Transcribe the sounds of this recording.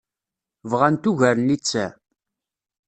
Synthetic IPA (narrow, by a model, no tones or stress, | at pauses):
vʁænt̪uʝæɾnlit͡sːæ